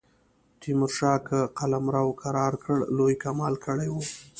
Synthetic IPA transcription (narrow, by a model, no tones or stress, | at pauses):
t̪imʊɾʃɑkaqalamɾawkʰaɾɑɾkəɽlojkamɑlkəɽajwu